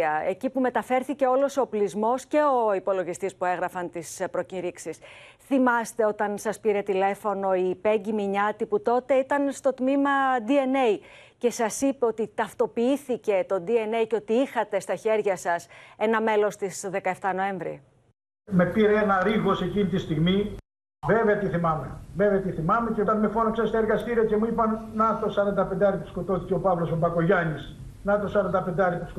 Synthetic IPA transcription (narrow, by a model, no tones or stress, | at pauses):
ɐe̞̰cipume̞t̪ɐfe̞ɾθice̞o̞lo̞soplizmo̞sce̞o̞ipo̞lo̞ɣist̪ispue̞ɣɾɐfɐnt̪ispɾo̞ciɾiksisθimɐst̪e̞o̞t̪ɐnsɐspiɾe̞t̪ile̞fo̞no̞ipe̞ɲɟimiɲɐt̪iput̪o̞t̪e̞it̪ɐnst̪o̞t̪mimɐd̪ie̞ne̞j | ce̞sɐsipeo̞t̪it̪ɐft̪o̞piiθice̞t̪o̞d̪ie̞ne̞jceo̞t̪iixɐt̪e̞st̪ɐçe̞ɾʝɐsɐse̞nɐme̞lo̞st̪isðe̞kɐe̞ft̪ɐno̞e̞ɱvɾḭ | me̞piɾeenɐɾiɣo̞secinit̪ist̪iɣmi | veveɐt̪iθimɐmeveveɐt̪iθimɐme̞ceot̪ɐnmefonoksest̪ɐeɾɣɐst̪iɾiɐce̞muipɐnnɐt̪osɐɾɐnd̪ɐpend̪eɐɾiput̪i̥sko̞t̪o̞θiceo̞pɐvlo̞sobɐko̞ʝɐnis | nɐt̪osɐɾɐnd̪ɐpend̪ɐɾipt̪is